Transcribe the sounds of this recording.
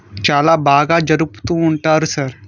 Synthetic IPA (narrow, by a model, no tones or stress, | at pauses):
t͡ʃaːlabaːɡad͡ʒɐɾupt̪ũuɳʈaɾsɐɾ